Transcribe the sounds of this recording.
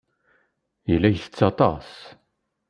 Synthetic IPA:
jəlːæjθə̥t͡sːɑt̪ˤɑ̰s

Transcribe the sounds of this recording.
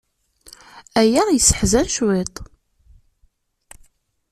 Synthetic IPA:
æjajəsːə̥ħzænʃwet̪ˤ

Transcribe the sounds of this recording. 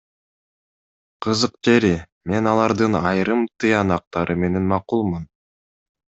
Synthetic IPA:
qʰɯzɯqd͡ʒe̞ɾi | me̞nɑlˠɑɾd̪ɯnɑjɾɯmt̪ɯjɑnɑq̚t̪ɑɾʔɯme̞ne̞nmɑqulˠmun

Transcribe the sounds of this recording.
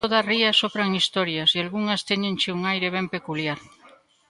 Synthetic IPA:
oðariasoβɾaŋist̪oɾjasialɣuŋast̪eɲẽnt͡ʃeuŋajɾeβ̞empekuljaɾ

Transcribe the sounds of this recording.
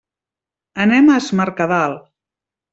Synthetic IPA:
ənɛmazmaɾkaðalˠ

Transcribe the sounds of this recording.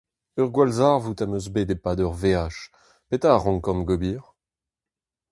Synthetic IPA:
œʁɡwalzaʁvut̪amøzbed̪epad̪œʁveaʃ | pet̪aːʁɔ̃kɔmɡɔbiːʁ

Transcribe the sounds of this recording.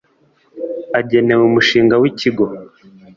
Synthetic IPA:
aɟe̞ne̞wemuʃiːŋɡawiciɡo̞

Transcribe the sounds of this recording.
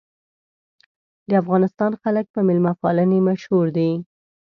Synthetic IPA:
d̪əafɣɑnɪst̪ɑnxalək̚pəmɪlmafɑːlənemaʃhuɾd̪i

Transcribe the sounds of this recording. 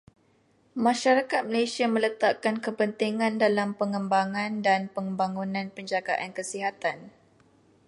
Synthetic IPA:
mãʃaɾakat̪̚məlajsiamə̃lət̪akankəpənt̪iŋãndalampəŋəmbaŋãndanpəŋbaŋunãnpəɲd͡ʒaɡaʔankəsiɦat̪an

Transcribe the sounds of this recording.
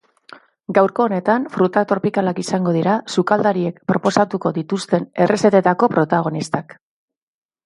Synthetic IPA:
ɡawɾko̞ːne̞t̪anfɾut̪at̪o̞ɾpikalakisaŋɡo̞ð̞iɾasukald̪aɾie̞kpɾo̞po̞sat̪uko̞ðit̪ust̪e̞ne̞rese̞t̪e̞t̪ako̞pɾo̞t̪aɣ̞o̞nist̪ak

